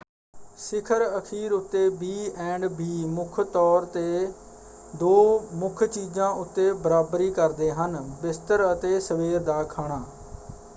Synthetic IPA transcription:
sɪkʰəɾəkʰiːɾʊt̪ːeːbiːɛ̃ːɳɖbiːmʊkʰt̪ɔːɾt̪eː | d̪oːmʊkʰt͡ʃiːzãːʔʊt̪ːeːbəɾaːbɾiːkəɾd̪eːɦənbɪst̪əɾət̪eːsəʋeːɾd̪aːkʰaːɽ̃aː

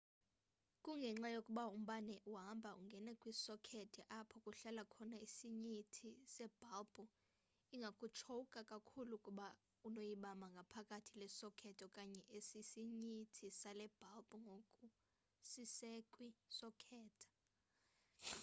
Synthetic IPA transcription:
kʼuŋɡʱɛŋ͡ǁajokʼuɓaum̩ɓanɛʔuɦambʱaʔuŋɡʱɛnɛkʼwisɔkʰɛtʼɛʔapʰɔkʼuɬalakʰɔnaisiɲitʰisɛb̥ʱalbʼɔ | iŋɡʱakʼut͡ʃʰoukʼakʼakʰulukʼuɓa | unojiɓamaŋɡʱapʰakʼatʰilɛsɔkʰɛtʼɔkʼaɲɛʔesisiɲitʰisalɛb̥ʱalbʼɔŋɡʱokʼu | sisekʼwisɔkʰɛːtʰʼḁ

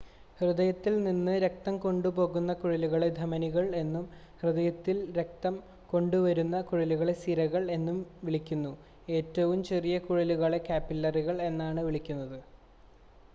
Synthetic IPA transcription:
hrɨðɐjɐt̪ːilninːɨɾe̞k̚t̪ɐmko̞ɳɖupo̞ːɣunːɐkuɻɐluɣɐɭe̞d̪ʱɐmɐniɣɐɭe̞nːum | hrɨðɐjɐt̪ːilɾe̞k̚t̪ɐm | ko̞ɳɖuʋɐɾunːɐkuɻɐluɣɐɭe̞siɾɐɣɐɭe̞nːumʋiɭikʲːunːu | e̞ːtːɐʋumt͡ɕe̞rijɐkuɻɐluɣɐɭe̞kaːpːilːɐriɣɐɭe̞nːaːɳɨʋiɭikʲːunːɐðɨ

